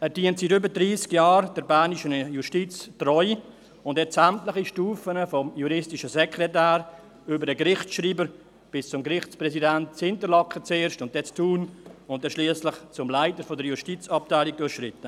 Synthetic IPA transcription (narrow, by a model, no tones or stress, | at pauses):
ɛd̥iəntsiɾʏbədɾiːskjaːɾd̥ɛɾbæːniʃənjuʃtit͡strɔʏ | ʊndɛsɛmtləχiʃtuːfənəfɔmjuɾɪstiʃəsɛkɾɛtæːɾ | ʏbəɾdəɡɾɪχtʃɾiːbəɾ | b̥ɪst͡sʊmɡɾɪχt͡spɾɛsidɛnt̚t͡shɪntəɾlɑkːət͡seːɾʃtʊnt̚d̥ɛt͡stʰuːnʊnt̚ːɛʃliəslɪχt͡sʊmlaɪtəɾfɔdəɾjuʃtit͡sɑp̚taɪlik̚dʊʃɾɪtːə